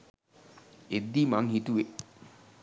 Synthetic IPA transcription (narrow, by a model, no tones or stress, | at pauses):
ed̪ːiːmaŋhit̪uʋe